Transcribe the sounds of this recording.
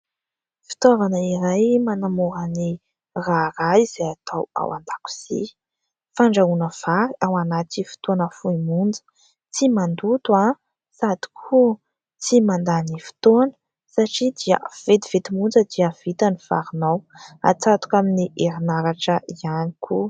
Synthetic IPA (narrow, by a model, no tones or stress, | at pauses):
fi̥t̪ovanəiɾajmanamoɾəni | raɾaiz̥ejat̪ʰawa̰wa̰nd̪aku̥z̥ḭ | faɳɖ͡ʐaunəv̥aɾiawanat̪ifi̥t̪onəfuimund͡zə̥ | t͡simand̪ut̪ua | sad̪i̥kʰu | t͡simand̪anifi̥t̪onə̥ | saʈ͡ʂid̪iə̰v̥et̪iv̥et̪imund͡zəd̪iəv̥it̪aniv̥a̰ɾunawa̰t͡sat̪u̥kaminiʔeɾinaɾaʈ͡ʂəʔianikʰu